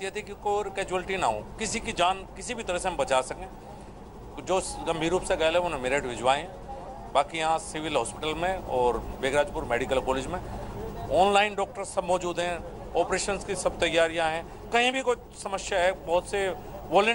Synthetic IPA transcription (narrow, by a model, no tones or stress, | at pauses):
t̪iɦɛt̪ʰikikoːɾkɛːd͡ʒuəlʈinɐɦo̰ːkɪsikid͡ʒaːnkɪsibʱit̪ɐɾəɦsebɐt͡ʃaːsɐkẽː | d͡ʒoːɡɐ̃mbʱiːɾuːpseɡɐelẽonẽmɪɾeːʈʋɪd͡ʒʋaːẽɛ̃ | baːkijɐɦãsɪʋɪlɦɔːspɪʈəlmẽɔːɾbeːɡɾaːd͡ʒpʊɾmeːɖɪkəlkɔːleːd͡ʒmẽɔːnlaːɪnɖɔːk̚ʈəɾsɐbmɔːd͡ʒuːd̪ɦɛ̃ | ɔːpɾeːʃənskisɐb̚t̪ɐjːaːɾijaɦɛ̃ | kɐɦĩbʱiko | sɐməʃjaɦɛbɔɦt̪se | ʋoːlə̃